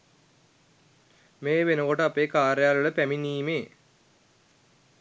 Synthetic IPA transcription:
meːʋenoɣoʈəapeːkaːɾjaːlɐɭəpæminiːmeː

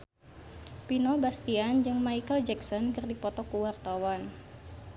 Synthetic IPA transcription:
pinɔbast̪iand͡ʒɨŋmaikəld͡ʒɛksɔnkɨrdipɔt̪ɔkuwart̪awan

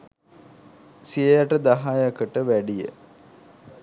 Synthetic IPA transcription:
sijejaʈəd̪aɦajəkəʈəʋæɖijə̰

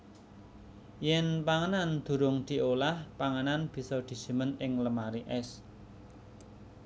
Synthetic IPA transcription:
jɛnpaŋənand̪̥ṳɾʊŋd̪̥i̤olahpaŋənanb̥i̤sɔd̪̥i̤̥ʒ̥i̤mənɪŋləmaɾiʔɛs

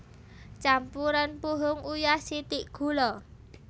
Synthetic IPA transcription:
t͡ʃampuɾanpuɦʊŋujasit̪iʔɡ̥ṳlɔ

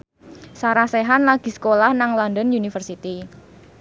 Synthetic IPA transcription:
saɾaseɦanlaɡ̥i̤sə̥kolahnaŋlɔndənjunifərsit̪i

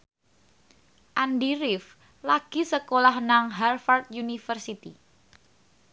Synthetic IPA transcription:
ʔandiɾɪf | laɡ̥i̤səkolahnaŋɦarfart̪̚junifərsit̪ḭ

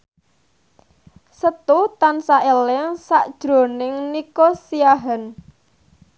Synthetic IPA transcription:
sət̪ut̪ansaʔelɪŋsa̰ʔd̥ʒ̥ɾo̤nɪŋnikosijaɦɛn

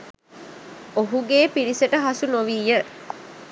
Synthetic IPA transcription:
oɦuɡeːpiɾiseʈəɦɐsunoʋiːjə

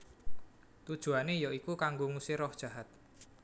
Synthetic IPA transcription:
t̪ud̥ʒ̥ṳanejɔikukaŋɡoŋusɪɾɔhd̥ʒ̥a̤ɦat̪̚

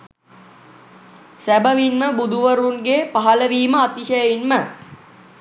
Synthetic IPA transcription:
sæbəʋinməbud̪uʋəɾunɡepaɦɐləʋiːməat̪iʃəjəinmə

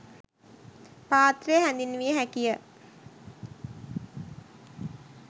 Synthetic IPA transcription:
paːt̪rejəɦænd̪inːʋijəɦækijə

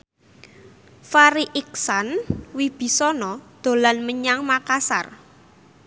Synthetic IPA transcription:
faɾiʔik̚sanwib̥i̤sɔnɔd̪̥o̤lanməɲaŋmakasa̰r

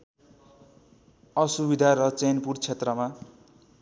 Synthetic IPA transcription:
ʌsubid̪ʱaɾʌt͡senpurt͡sʰet̪rʌma

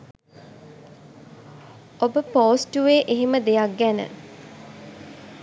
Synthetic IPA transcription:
obəpoːsʈuʋeːʔeɦiməd̪ejak̚ɡænə̰

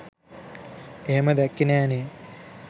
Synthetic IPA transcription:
eməd̪ækːinaːne

